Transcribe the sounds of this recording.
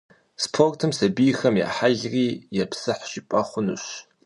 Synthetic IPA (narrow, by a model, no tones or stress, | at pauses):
spʰortʰɨmsɐbijxɐmja̰ːħaɮriːjɛpʰsɨħʃɪpʼɐχʷʊnɨ̰ɕ